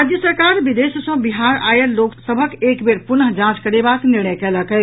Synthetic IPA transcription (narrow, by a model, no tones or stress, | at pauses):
ad͡ʒ̪jəsəɾkaɾbid̪essə̃biɦaɾajəloksəbʱəkekbeɾpunəɦd͡ʒãt͡ʃkəɾebakniɾnəjkɛləkɛ